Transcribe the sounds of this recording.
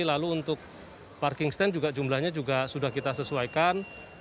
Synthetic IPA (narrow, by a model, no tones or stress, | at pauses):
ilaluːnt̪ʊk̚ | parkɪŋst̪ɛnd͡ʒuɡad͡ʒumlahɲad͡ʒuɡasudahkit̪asəsuaikan